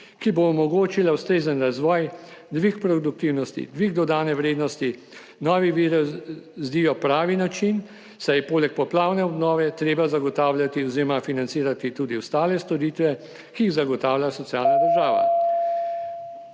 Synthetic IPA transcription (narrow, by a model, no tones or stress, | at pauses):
kiboɔmɔɡoːt͡ʃilawst̪ɾeːzənɾazʋɔːjd̪ʋikpɾɔd̪uk̚t̪iwnɔst̪ḭd̪ʋiɡd̪ɔd̪aːnɛʋɾeːd̪nɔst̪i | nɔːʋiʋiɾszd̪ijɔpɾaːʋinat͡ʃin | sajpoːlɛk̚pɔplaːwnɛɔd̪nɔːʋɛt̪ɾeːbazaɡɔt̪aːwlʲjat̪iɔziɾɔmafinant̪siːɾat̪it̪uːd̪iwst̪aːlɛst̪ɔɾiːt̪ʋɛ | kiiɣzaɡɔt̪aːwljasɔt̪sjaːlnad̪əɾʒaːʋa̰